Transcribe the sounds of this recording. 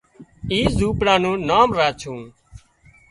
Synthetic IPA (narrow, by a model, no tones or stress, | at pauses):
iːzuːpɽãːnũːnaːmɾaːt͡ʃʰũː